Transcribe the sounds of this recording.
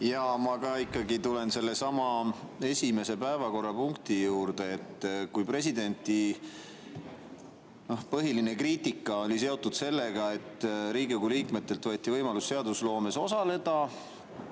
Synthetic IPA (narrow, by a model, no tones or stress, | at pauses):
jɑmɑkɑikːˑɑɡit̪ule̞nse̞lːe̞sɑmɑe̞sʲime̞se̞pæevɑko̞rːɑpuŋkt̪ijuːɾd̪̥e̞ːt̪ːˑkujpre̞s̬id̪e̞nʲt̪ːˑi | no̞hpɤɦiline̞kriːt̪ikːˑɑo̞lʲise̞o̞t̪ːud̪̥se̞lːe̞ɡ̥ɑe̞t̪ːˑɾiːɡiɡuliːkme̞t̪ːe̞lt̪vɤːt̪ːˑivɤjmɑlusːe̞ɑd̪uslo̞ːme̞so̞sɑle̞d̪̥ɑ